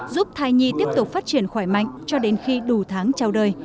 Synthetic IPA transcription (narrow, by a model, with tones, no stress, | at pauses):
zu˦˥p̚t̪ʰaː˧jɲi˧t̪i˦˥əp̚t̪ʊ˨˩k͡p̚faː˦˥t̚t͡ɕi˧˩ənxwaː˧˩jma̰˧˨jŋ̟t͡ɕɔ˧ɗe˨˦nxi˧ɗu˧˩t̪ʰaː˨˦ŋt͡ɕa˧wɗəː˧j